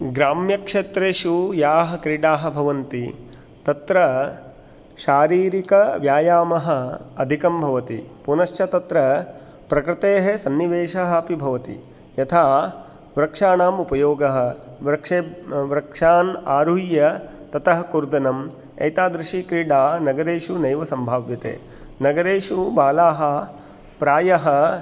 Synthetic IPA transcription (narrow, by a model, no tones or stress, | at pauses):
ɡɾaːmjɐkʂet̪ɾeːʃujaːɦɐ̆kɾiɽaːɦɐ̆bʱɐʋɐnt̪i | t̪ɐt̪ɾɐ | ʃaːɾiːɾikɐʋjaːjaːmɐɦɐ̆ɐd̪ʱikɐmbʱɐʋɐt̪ipunɐʃt͡ʃɐt̪ɐt̪ɾɐ | pɾɐkɾɪt̪eːɦɐsɐnːiʋeːʃɐɦɐɐpibʱɐʋɐt̪ḭ | jɐt̪ʰaː | ʋɾɐkʂaːnaːmupɐjoːɡɐɦɐ̆ʋɾɐkʂeːʋɾɐkʂaːnaːɾujɐt̪ɐt̪ɐɦɐkuɾd̪ɐnɐm | ɐ̰jt̪aːd̪ɾɪʂikɾiːɽaːnɐɡɐɾeːʂunɐjʋɐsɐmbʱaːʋjɐt̪ḛː | nɐɡɐɾeːʂubaːlaːɦɐ | pɾaːjɐɦɐ̆